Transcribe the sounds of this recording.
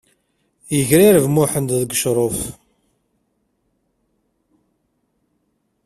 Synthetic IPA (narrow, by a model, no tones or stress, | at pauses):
jəʝɾiɾəvmʊħənd̪ðəɡʃɾˤof